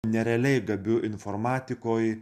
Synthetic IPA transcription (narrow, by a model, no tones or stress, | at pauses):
nʲɛɾʲɛɐlʲɛɪɡɐbʲʊʔɪnfoːɾmɑːt̪ʲɪkoːj